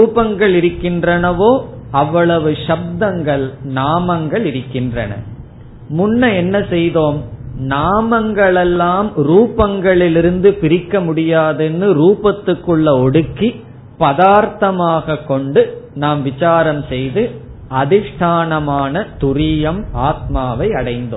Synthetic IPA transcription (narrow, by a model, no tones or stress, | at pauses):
ɾuːpɐŋɡɐɭɪɾɯkːɪndrɐnɐʋoːɐʋːɐɭɐʋɯʂɐb̚d̪ɐŋɡɐɭnaːmɐŋɡɐɭɪɾɯkːɪndrɐ̰nɐ̰ | mʊnːɐɛnːɐsɛjðoːmnaːmɐŋɡɐɭɛlːaːmɾuːpɐŋɡɐɭɪlɪɾɯnd̪ɯpɪɾɪkːɐmʊɽɪjaːðɛnːɯɾuːpɐt̪ːɯkːɯɭːɐɔɽɯkːi | pɐðaːɾt̪ɐmaːɣɐkːɔɳɖɯnaːmʋɪt͡ʃaːɾɐmsɛjðɯʔɐðɪʂʈʰaːnɐmaːnɐt̪ʊɾijɐmaːt̪̚maːʋɐɪɐɽɐɪnd̪o̰ːm